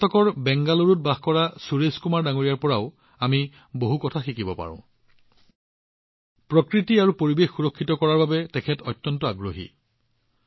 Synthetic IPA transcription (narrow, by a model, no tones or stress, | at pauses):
tʰɔkɔɹbɛŋɡaloɹut̚baxkɔɹasuɹeskumaɹdaŋoɹijaɹpɔɹaʊ | ami | boɦukɔtʰaxikibɔpa̰ɹɔ̰̃ | pɹɔkɹitiaɹupoɹibexːuɹɔkʰːitɔkɔɹaɹbabɛtɛkʰɛtɔjtːɔntɔaɡɹoɦḭ